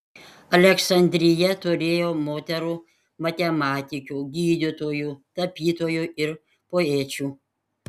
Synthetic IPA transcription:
ɐlʲɛksɐnʲd̪ʲɾʲɪjɛt̪ʊɾʲeːjoːmoːt̪ʲɛɾuː | mɐt̪ʲɛmɑːt̪ʲɪkʲuːɡʲiːd̪ʲɪt̪oːjuːt̪ɐpʲiːt̪oːjuʔɪɾ | poːeːt͡ʃʲuː

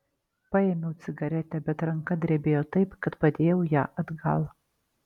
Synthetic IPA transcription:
pɑemʲɛʊt̪sʲɪɡɐɾʲɛt̪ʲɛbʲɛt̪ɾɐŋkɐd̪ʲɾʲɛbʲeːjoːt̪ɐɪpkɐt̪pɐd̪ʲeːjɛʊjæ̰ːʔɐd̪ɡɐlˠ

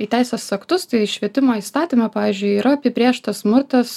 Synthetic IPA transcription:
iːt̪ʲæɪsʲɛsɐkt̪ʊst̪ɐɪʃʲʋʲiɛt̪ʲɪmoːiːst̪ɑːt̪ʲiːmɑpɑːʋʲiːzʲd͡ʒʲʊɪiːɾɐɐpʲɪpʲɾʲiɛʃt̪ɐssmʊɾt̪ɐs

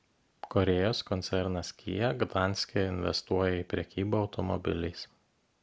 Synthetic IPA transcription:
kɔɾʲɛjoːskɔnʲɛɾnɐskʲḭːjɛɡd̪ɑˑnʲsʲkʲɛɪnʲʋʲɛ̰st̪uɔjɛiˑpʲɾʲɛkʲiːbɐɒʊt̪ɔmɔ̰bʲɪ̰lʲɪɪs

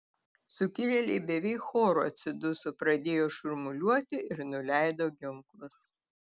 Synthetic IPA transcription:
sʊkʲɪlʲɛlʲɛɪbʲɛʋʲɛɪkxoːɾʊɐ̰t̪ʲsʲɪd̪ʊsʊpɾɐd̪ʲeːjoːʃʊɾmʊlʲuɔt̪ʲɪʔɪɾnʊlʲæˑɪd̪oːɡʲɪŋklˠʊs

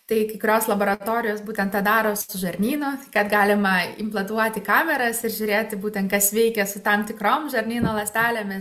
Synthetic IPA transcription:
t̪ɐɪkɐɪkʊɾʲoːslˠɐboːɾɐt̪oːɾʲɪjoːsbuːt̪ʲɛnt̪tɐd̪ɑːɾoːssʊʒɐɾʲnʲiːnʊkɐt̪ɡɑːlʲɪmɐɪmplˠɐt̪uɔt̪ʲɪkɑːmʲɛɾɐsɪɾʒʲʊɾʲeːt̪ʲɪbuːt̪ʲɛnt̪̚kɐsʋʲɛɪkʲɛsʊt̪ɐmt̪ʲɪkɾoːmʒɐɾʲnʲiːnoːlˠɐsʲt̪ʲæːlʲoːmʲɪs

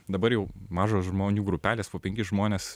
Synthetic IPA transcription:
d̪ɐbɐɾjɛʊmɑːʒoːsʒmoːnʲuːɡɾʊpʲæːlʲeːspoːpʲɛŋʲkʲɪʒmoːnʲeːs

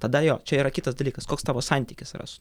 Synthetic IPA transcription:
t̪ɐd̪ɐjoːt͡ʃʲɛiːɾɐkʲɪt̪ɐsd̪ɐlʲiːkɐskoːkst̪ɑːʋoːsɑnʲt̪ʲiːkʲɪsɾʔɐ̰sʊ̥

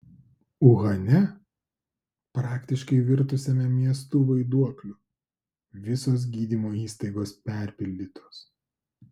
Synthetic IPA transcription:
ʊɣɐnʲɛ | pɾɑːkt̪ʲɪʃkɐɪʋʲɪɾt̪ʊsʲɛmʲɛmʲiɛs̬t̪uːʋɐɪd̪uɔklʲʊ | ʋʲɪsoːs̬ɡʲiːd̪ʲimoːiːst̪ɐɪɡoːspʲæˑɾʲpʲɪlʲd̪ʲiːt̪ʰoːs

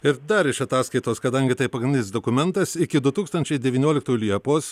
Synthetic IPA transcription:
ɪɾd̪ɐɾɪʃɐt̪ɑːskɐɪt̪oːskɐd̪ɐŋʲɡʲɪt̪ɐɪpɐɡɾʲɪnʲd̪ʲɪnsd̪okʊmʲɛnt̪ɐsɪkʲɪd̪ʊt̪uːkst̪ɐnʲt͡ʃʲɛɪd̪ʲɛʋʲiːnʲoɔlʲɪkt̪oːjʊlʲiɛpoːs

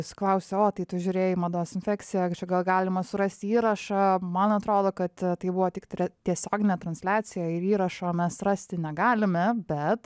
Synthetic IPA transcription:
sʲɪ̥klˠɐʊsʲɛoːt̪ɐɪt̪ʊʒʲʊːɾʲeːjɪmɐd̪oːsɪnʲfʲæːkt͡ssʲɪjɛt͡ʃʲɛɡɐlˠɡɑːlʲɪmɐsʊɾɐsʲt̪ʲiːɾɐʃɐmɐnɐt̪ɾoːd̪oːkɐt̪t̪ɐɪbʊʋoːt̪ʲɪkt̪ʲɾʲɛt̪ʲiɛsʲoːɡʲɪnʲɛt̪ɾɐnʲsʲlʲæːt͡ssʲɪjɛɪɾiːɾɐʃoːmʲɛsrɐsʲt̪ʲɪnʲɛɡɑːlʲɪmʲɛbʲɛt̪

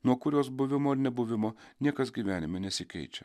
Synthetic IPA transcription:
nuɔkʊɾʲoːsbʊʋʲɪmoːɾnʲɛbʊʋʲɪmoːnʲiɛkɐsɡʲiːʋʲæːnʲɪmʲɛnʲɛsʲɪkʲɛ̰ɪt͡ʃʲɛ

